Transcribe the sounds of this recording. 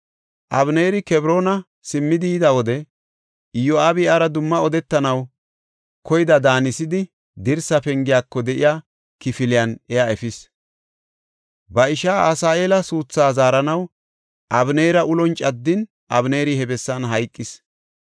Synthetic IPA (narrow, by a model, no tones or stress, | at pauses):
ʔɐβneːɾɪkɛbɾo̞ːnɐ | sɪmːɪd̪iːd̪ɐwɔd̪ɛ | jɔaːbɪɐɾɐd̪ʊmːɐɔd̪ɛt̪ːɐnɐw | kʰɔjɪd̪ɐd̪aːnɪsɪd̪ɪ | d̪ɪɾsɐpɛŋɡɪjaːkːɔd̪ɛʔɪjaː | kɪfɪlɪjɐnɛjaɛfɪs | bɐɪʃaːasaːʔe̞ːlɐsuːt͡sːaːzaːɾɐnɐw | ʔɐbne̞ːɾɐʔʊlɔnt͡ʃʼɐd̪ːɪn | ʔɐ̰bne̞ːɾɪhɛbɛsːɐnɦɐjkʼːɪs